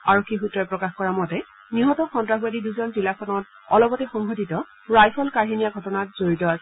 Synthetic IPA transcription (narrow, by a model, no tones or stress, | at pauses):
aɹokʰːixutɹɔjpɹɔkaxkɔɹamɔtɛ | niɦɔtɔxɔntɹaɦuwadiduzɔnzilakʰɔnɔt | ɔlɔbɔtɛxɔŋɦoditɔ | ɹajpʰɔlkaɹɦinijaɡʱɔtɔnatz̥oɹitɔasɛ